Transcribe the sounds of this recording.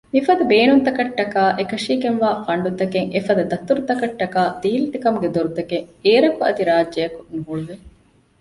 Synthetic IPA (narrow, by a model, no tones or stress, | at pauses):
mifɐd̪ɐbeːnunt̪ɐkɐʈːɐkaːʔekɐʂiːɡenʋaːfɐɳɖud̪ɐkeŋʔefɐd̪ɐd̪ɐt̪ːuɾut̪ɐkɐʈːɐkaːd̪iːlit̪ikɐmuɡed̪oɾud̪ɐkeŋeːɾɐkuɐ̰d̪iɾaːdd͡ʒɐjɐkunuɦuɭuʋe